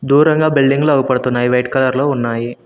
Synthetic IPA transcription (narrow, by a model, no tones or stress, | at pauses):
d̪uːɾɐŋɡaːbilɖiŋɡluɐɡupɐɽut̪unːaːjiʋɐjʈkɐlɐɾlo̞ːunːaːji